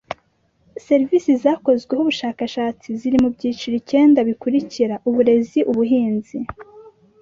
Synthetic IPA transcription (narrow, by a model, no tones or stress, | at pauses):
se̞ɾivisizaːko̞zɡwehuβuʃaːkaʃaːt͡siziɾimubɟiːt͡ʃiɾice̞ːndaβikuɾiciɾaʔuβuɾe̞ziʔuβuɦiːnzi